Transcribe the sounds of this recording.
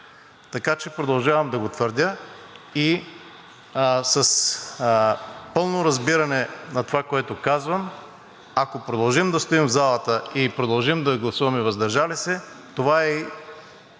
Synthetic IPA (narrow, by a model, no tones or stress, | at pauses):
t̪ɐkat͡ʃɛpɾod̪ɐlˠʒavɐmd̪ɐɡot̪vəɾd̪ʲə | i | sɐs | pɤlˠnoɾɐzbiɾɐnɛnɐt̪ovakoɛt̪okazvəm | akopɾod̪ɐlˠʒimd̪ɐst̪oimvzalˠət̪əipɾod̪ɐlˠʒimd̪ɐɡlˠɐsuvɐmɛvɐzd̪ɐɾʒalisɛ | t̪ovaɛi